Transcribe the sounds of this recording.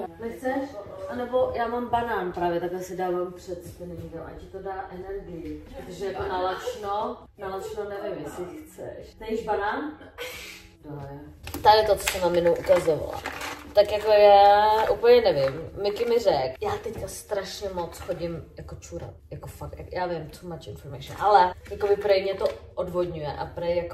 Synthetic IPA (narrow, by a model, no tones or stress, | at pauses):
nɛxt͡sɛʃʔanɛbojaːmambanaːnpɾaːvjɛt̪aklɛsɪdaːvampr̥ɛt̪spɛnɛʒikamʔa̰cɪt̪odaːʔɛnɛɾɡɪjɪpɾot̪oʒɛjakonalat͡ʃno | nalat͡ʃnonɛvɪmjɛsɪxt͡sɛ̰ʃnɛjiʒbanaːn | dot̪adɛt̪ot͡so̥sɛmnamɪnowʔukazova̰la̰t̪akjakojaːʔupl̩ɲɛnɛvɪmːɪkɪmɪrɛkjaːt̪ɛckast̪ɾaʃɲɛmot͡sxoɟɪmjakot͡ʃuɾa̰t̪̚jakofak̚t̪ja̰jaːvɪmt͡somat͡ʃʔɪnfoɾmajʃɪnʔalɛjakobɪpɾajmɲɛt̪oʔodvodɲujɛ̰ʔa̰pɾajjako